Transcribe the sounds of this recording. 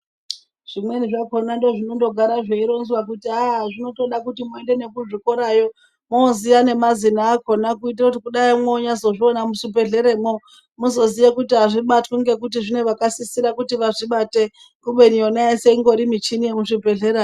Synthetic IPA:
ʐ̥imwe̞niʐako̞nando̞ʐino̞ndo̞ɡʱaɾaʐeiɾo̞nzwakutiaʐino̞to̞ɗakutimuende̞ne̞kuʐikoɾajo̞ | moziane̞mazinaːko̞nakuit̬irakutikuɗaimwoɲazo̞ʐionamuʂipe̞ɮe̞ɾemo | muzo̞ziʋekutiɦaʐiɓatkuŋɡe̞k̬ut̬iʐine̞ʋakasisiɾakutiʋaʐiɓate | kuɓe̞nionaeseiŋɡo̞ɾimit͡ʃinijemuʂipe̞ɮeɾa

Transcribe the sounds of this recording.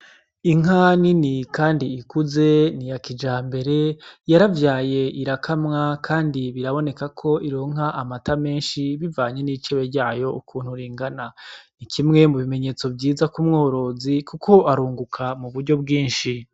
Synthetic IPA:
iŋɦaninikaːndiːkuze̞nijakid͡ʒaːmbe̞ɾe̞jaɾavjaːje̞ʔiɾakʰamŋakʰaːndiβiɾaβo̞ne̞kakʰo̞iɾo̞ːŋ̥ɦaʔamatame̞ːnʃiβivaːɲe̞nit͡ʃeβeɾɟaːjo̞ukʰuːnhuɾiːŋɡananikʰimŋe̞muβime̞ɲe̞ːt͡so̞bɟiːzakumŋo̞ːɾo̞ːzikukʰo̞aɾuːŋɡukʰamuβuɾɟo̞bɡiːnʃi

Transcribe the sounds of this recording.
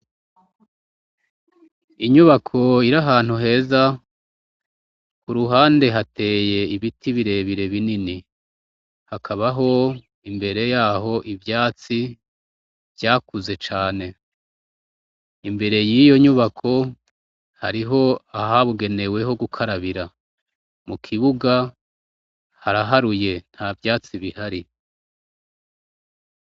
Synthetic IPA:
iɲuβakʰo̞iɾaɦaːn̥huɦe̞ːza | kuɾuɦaːnde̞ɦate̞ːje̞iβitʰiβiɾe̞ːβiɾe̞βinini | hakʰaβaɦo̞ | imbe̞ɾe̞jaːɦo̞ʔivjaːt͡si | vjaːkuze̞t͡ʃaːne̞ | imbe̞ɾe̞jijo̞ɲuβakʰo̞ | haɾiɦo̞aɦaβuɡe̞ne̞we̞ɦo̞ɡukʰaɾaβiɾa | mukʰiβuɡa | haɾaɦaɾuje̞n̥havjaːt͡siβihaɾi

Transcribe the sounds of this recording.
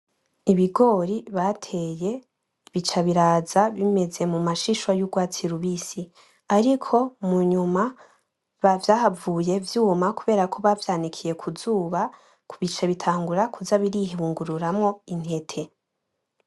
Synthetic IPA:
iβiɡo̞ɾiβatʰe̞je̞ | βit͡ʃaβiɾaːzaβime̞ze̞mumaʃiʃwajuɡwaːt͡siɾuβisi | aɾikʰo̞muɲuma | βavjaːhavuːje̞vjuːmakuβe̞ːɾakʰo̞βavjaːnikʰije̞kʰuzuːβa | kuβit͡ʃaβitʰaːŋɡuɾakʰuzaβiɾihiβuːŋɡuɾuɾamŋo̞in̥he̞tʰe̞

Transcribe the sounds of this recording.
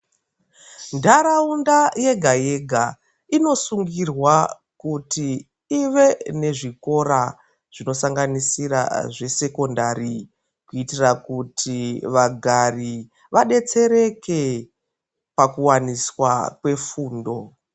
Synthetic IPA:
ndʱaɾaundaje̞ɡʱaje̞ɡʱa | ino̞suŋɡirwa | kuti | iʋe̞ne̞ʐiko̞ɾa | ʐ̥ino̞saŋɡanisiɾa̰ʐe̞se̞ko̞ndaɾi | kuitirakutʰiʋaɡʱari | ʋaɗe̞t͡se̞ɾe̞ke̞ | pakuwaniswakwe̞fuːndo̞

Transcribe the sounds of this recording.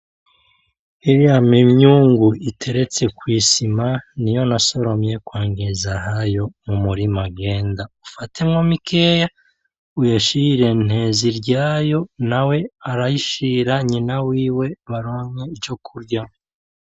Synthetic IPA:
iɾiamimɲuːŋɡuitʰe̞ɾe̞t͡se̞kwiːsimanijo̞naso̞ɾo̞mje̞kwaːŋɡezahajo̞mumuɾimaɡeːndaufatʰe̞mŋomikʰeːja | ujaʃiɾe̞n̥he̞ziɾɟaːjo̞nawe̞aɾajiʃiɾaɲinawiːwe̞βaɾoːɲeid͡ʒo̞kʰuɾɟa

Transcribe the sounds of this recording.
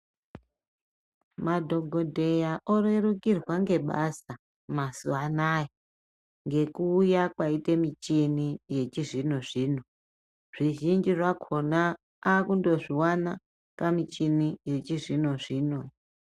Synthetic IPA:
madʱo̞ɡʱodʱe̞jaʔorerukirwaŋɡe̞ɓasa | masuanaje | ŋɡe̞kuːjakwaite̞mit͡ʃinije̞t͡ʃiʐino̞ʐiːno | ʐ̥iʒind͡ʒiʐakʰo̞naː | kundo̞ʐiwana | kamit͡ʃinije̞t͡ʃiʐino̞ʐiːno

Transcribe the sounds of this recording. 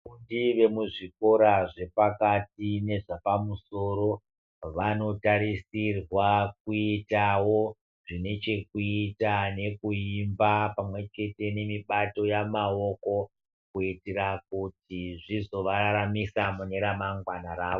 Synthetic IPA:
undiʋe̞muʐiko̞ɾaʐe̞pakat̚ine̞ʐapamuso̞ɾo̞ | ʋano̞taɾisirwak̚uitawo̞ | ʐine̞t͡ʃe̞kuitane̞kuimbapamwe̞t͡ʃe̞te̞ne̞miɓato̞jamao̞ko̞ | kuitirak̚utiʐizo̞ʋaɾaɾamisamuneɾamaŋɡwanaɾaːʋo

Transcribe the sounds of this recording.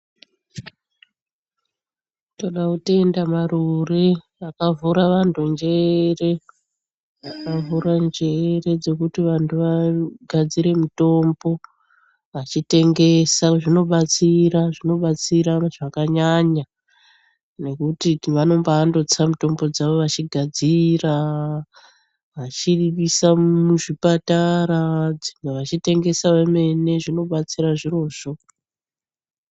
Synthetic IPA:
to̞ɗautendamaɾure | akavuɾaʋantʰund͡ʒe̞re̞ | akavuɾand͡ʒe̞re̞d͡ze̞kutiʋantʰuʋaɡʱad͡ziɾe̞muto̞mbo̞ | at͡ʃite̞ŋɡe̞saʐino̞ɓat͡siɾaʐino̞ɓat͡siɾaʐ̥akaɲaɲa | ne̞kutiʋano̞mbaːndo̞t͡samuto̞mbo̞d͡zaʋo̞ʋat͡ʃiɡʱad͡zira | ʋat͡ʃiɗiɓisamuʐipataɾad͡zimweʋat͡ʃite̞ŋɡe̞saʋeme̞ne̞ʐino̞ɓat͡siɾaʐiro̞ːʐ̥o̞

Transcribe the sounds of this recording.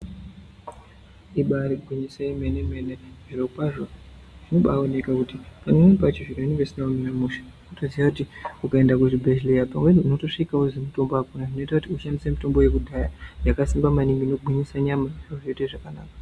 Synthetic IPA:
iɓaɾiɡʱwiɲiseime̞neme̞neʐ̥iɾopaʐo | ʐino̞ɓaone̞kakutipanemepat͡ʃiʐiɾo̞inibesinauminamuʃḁ | utoziʋakutiukaendak̬utibʱeʃilejapaŋɡwenoto̞ʂikaozemito̞mboakunaʐino̞itakutiuʃandisemito̞mbo̞je̞kudʱajajakasimbamanimino̞ɡʱwiɲisaɲamaʐoʐeiteʐakanaːka

